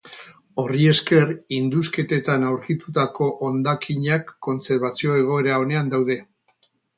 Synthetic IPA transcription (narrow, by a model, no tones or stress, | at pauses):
o̞rie̞ske̞rind̪uske̞t̪e̞t̪anawɾkit̪ut̪ako̞ʔond̪akʰiɲakːo̞nt͡se̞ɾβat͡sio̞e̞ɣ̞o̞e̞ɾao̞ne̞and̪awðe̞